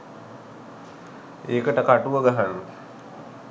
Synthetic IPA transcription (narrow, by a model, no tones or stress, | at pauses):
eːkəʈəkaʈuʋəɡaɦanːu